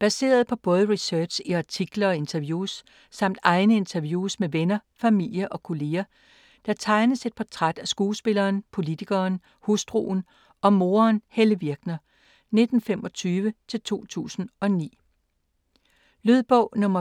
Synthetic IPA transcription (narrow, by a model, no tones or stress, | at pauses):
b̥æse̝̰ːɐð̞̩ˠpʰɒ̽b̥ɔ̽ːð̞ˠəʁisœɐd̥ɕiɑ̈t͡sʰiɡ̥lɐɒ̽e̝nt͡sʰɐʋjuːsː | ɑ̈m̰d̥ɑ̈ɪnəe̝nt͡sʰɐʋjuːsmeʋenɐ | fæmil̰jəʔɒ̽kʰo̝le̝ːɐ | d̥ɑɐt͡sʰɑ̈ɪnəse̝d̥̚pʰɒt͡sʰʁad̥æsɡ̥uːsb̥e̝lɐːnpʰo̝lit͡sʰiɡ̥ɐːn | husd̥ʁṵːn̩ | ɒ̽mo̝ːɐnheləʋiɐɡ̥nɐ | ne̝d̥n̩femɒ̽t͡sʰyːʋət͡sʰe̝lt͡sʰo̝̰ːt͡sʰṵːsn̩ɒ̽nḭː | løðˠb̥ɔ̽ʊ̰nɔ̽mɐ